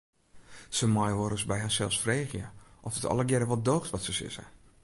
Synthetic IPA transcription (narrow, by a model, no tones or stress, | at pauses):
səmɔjʋoɾəsbɛjɦasɛlˠsfreːxjə̰ʔɔfətɔ̰ləɡjɛɾəʋɔldoːxtʋɔtsəsɪ̰sɛ̰